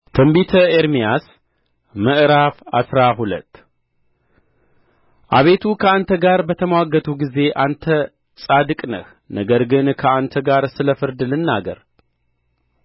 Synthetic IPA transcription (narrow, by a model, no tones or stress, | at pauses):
t̪ʰɐmbit̪ʰɐeɾmijas | mɨʔɾafa̰sɾaɦulə̰t̪ː | ʔaβe̞t̪ʰukʰəant̪ʰəɡaɾbət̪ʰəmwaɡət̪ʰuɡize̞ʔant̪ʰɐ | t͡sʼad̪ɨkʼnɐ̰x | nəɡəɾɡɨnkʰɐʔant̪ʰɐɡaɾsɨlɐfɨɾd̪ɨlɨnːaɡɐ̰ɾ